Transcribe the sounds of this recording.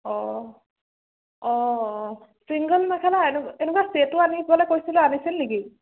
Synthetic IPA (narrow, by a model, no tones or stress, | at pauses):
ɔ | ɔ | siŋɡəlnakʰalaenuenukwasetuanibɔlɛkojsilɔanisilniki